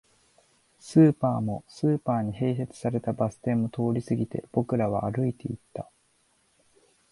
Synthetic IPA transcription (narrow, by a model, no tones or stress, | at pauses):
sɨːpaːmo̞sɨːpaːɲ̟iɦe̞ːs̬e̞t͡sɨ̥saɾe̞t̪abasɨ̥t̪ẽ̞mːo̞t̪o̞ːɾʲisɨɡʲit̪e̞̰b̥o̞kɯ̟ɾaβ̞a̰ːɾɯ̟it̪e̞it̪ːa